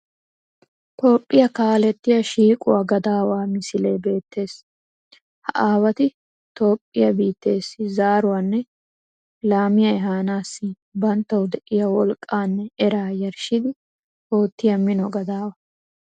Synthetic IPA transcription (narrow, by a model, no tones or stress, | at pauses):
t̪o̞ːpʼːɪjɐkaːlɛt̪ːɪjɐʃiːkʼʊwaːɡɐd̪aːwaːmɪsɪle̞ːbe̞ːt̪ːe̞ːs | hɐ̰ʔaːwɐt̪ɪ | t̪o̞ːpʼːɪjɐbiːt̪ːe̞ːsːɪzaːɾʊwaːnːɛ | laːmɪjɐɛɦaːnaːsːɪ | bɐnt̪ːɐwʊd̪ɛʔɪjɐwɔlkʼːaːnːɛɛɾaːjɐɾʃɪd̪ɪ | ho̞ːt̪ːɪjɐmɪnɔɡɐd̪aːwɐ